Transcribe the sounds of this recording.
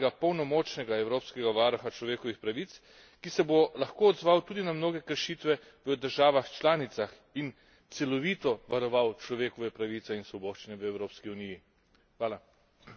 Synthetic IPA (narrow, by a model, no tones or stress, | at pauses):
ɡapɔwnɔmɔːt͡ʃnɛɡaɛwɾoːpskɛɡaʋaːɾɔxat͡ʃlɔʋeːkɔʋixpɾaʋit̪s | kisɛbolaxkoːd̪zʋawt̪uːd̪inamnoːɡɛkəɾʃit̪ʋɛ | ʋəd̪əɾʒaːʋaxt͡ʃlaːnit̪sax | in | t̪sɛlɔʋiːt̪ɔʋaɾɔʋawt͡ʃlɔʋeːkɔʋɛpɾaʋiːt̪ɛinsʋɔboːʃt͡ʃinɛʋəɛwɾoːpskiuniji | xʋaːla